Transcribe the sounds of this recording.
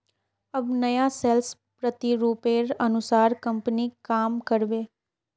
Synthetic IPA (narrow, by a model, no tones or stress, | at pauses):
əbnəjãːsɛls | pɾət̪iɾuːpeːɾənʊsaːɾkəmpnikaːmkəɾʋeː